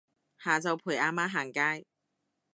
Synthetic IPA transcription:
haː˨˩t͡sɐ˨˧wpʰuː˨˩jʔaː˧maː˥ɦaː˨˩ŋkaː˥j

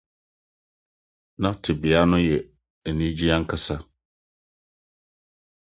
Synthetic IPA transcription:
nã˦tʰɪ˨bɪ˨a˦nʊ̃˦jɛ˨ | ɛ˨nĩ˦d͡ʑi˦a˦ŋ̩˦kʰa˦sa˦

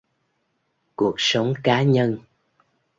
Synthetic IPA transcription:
ku˨˩ək̚sə˨˦wŋ͡mkaː˨˦ɲə˧n

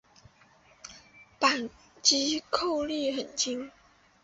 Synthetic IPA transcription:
pa˨˩n | t͡ɕi˧˥kʰo˥˧ʊli˥˩xə˨˩nt͡ɕi˥ŋ

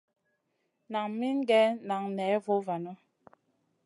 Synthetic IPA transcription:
na˨ŋmi˦n˦ɡɛ˦na˨ŋnɛː˨˦vo˦va˨nɔ˦

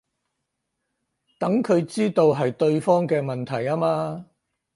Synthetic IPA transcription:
t̪ɐ˨˥ŋkʰɵ˨˧ɥt͡siː˥t̪o˧wɦɐ˨jt̪ɵ˧ɥfɔː˥ŋkɛː˧mɐ˨nt̪ʰɐ˨˩jaː˥maː˧

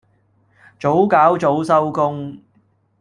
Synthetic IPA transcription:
t͡so˨˥wkaː˨˥wt͡so˨˥wsɐ˥wkʊ˥ŋ

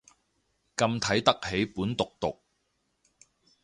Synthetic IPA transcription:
kɐ˧mt̪ʰɐ˨˥jt̪ɐ˥k̚he˨˥jpuː˨˥nt̪ʊ˨k̚t̪ʊ˨k̚

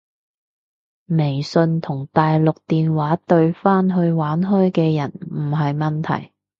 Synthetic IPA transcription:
me˨˩jsɵ˧nt̪ʰʊ˨˩ŋt̪aː˨jlʊ˨k̚t̪iː˨nwaː˨˥t̪ɵ˧ɥfaː˥nɦɵ˧ɥwaː˨˥nɦɔː˥jkɛː˧jɐ˨˩nm̩˨˩ɦɐ˨jmɐ˨nt̪ʰɐ̰˨˩j

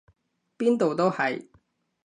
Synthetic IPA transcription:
piː˥nt̪o˨wt̪o˥whɐ˨j

